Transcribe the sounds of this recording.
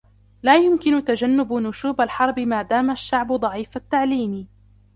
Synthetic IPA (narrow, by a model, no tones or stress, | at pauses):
laːjʊmkɪnʊt̪ad͡ʒanːʊbnʊʃuːbalħɑɾˤbɪmaːd̪aːmaʃːaʕbʊd̪ˤɑʕiːfat̪ːaʕliːm